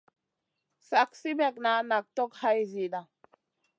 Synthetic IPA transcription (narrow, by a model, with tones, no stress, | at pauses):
sa˨k̚si˦bɛ˨k̚na˨˦na˨k̚t̪o˦kha˦jzi˨ɗa˨